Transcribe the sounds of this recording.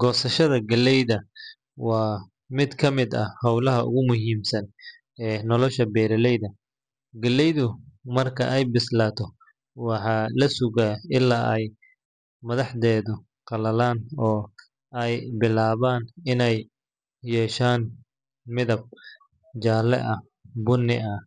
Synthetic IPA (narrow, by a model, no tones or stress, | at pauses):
ɡ̥ɔːsɐʃɐðɐɡɐlːɛjðɐ | wɑː | mɪd̪kʰɐmɪd̪ɐhɑwlɐɦɐʔʊ̰ɣʊmʊɦiːmsɐn | ɛːnɔlɔʃɐbɛːɾɐlɛjðɐ | ɡɐlːɛjðʊmɐrkʰɐ̰ʔɛjbɪslaːt̪ʰɔ | wɑħɑːlɐsʊɣaɪlːaːʔɛj | mɐðɑħd̪ɛːðʊ | qɑlɐlaːnɔː | ɛjbɪlaːβaːnɪnɛj | jɛːʃaːn | mɪðɐb̚ | d͡ʒaːlɛ̰ʔɐ | bʊnːɪ̰ɐ